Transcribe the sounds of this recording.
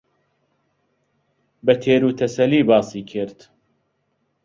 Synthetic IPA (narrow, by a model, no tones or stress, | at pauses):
bɐt̪ʰeːɾuːt̪ʰɐsɐliːbaːsiːkʰɨɾt̪